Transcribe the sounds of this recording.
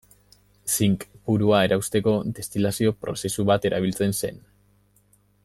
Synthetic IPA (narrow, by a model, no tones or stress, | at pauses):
siŋkpuɾuae̞ɾʔawst̪e̞ko̞d̪e̞st̪ilasio̞pɾo̞̰se̞suβat̪e̞ɾʔaβ̞ilt͡se̞nse̞̰n